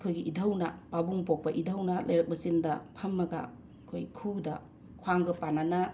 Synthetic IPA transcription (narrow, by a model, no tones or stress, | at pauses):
kʰojɡiʔidʱawnɐpabuŋpok̚pɐʔidʱawnɐlʔɐjɾɐk̚bɐsindɐ̰pʰɐmːɐɡa̰ | kʰo̰jkʰudɐ | kʰwaŋɡɐpanana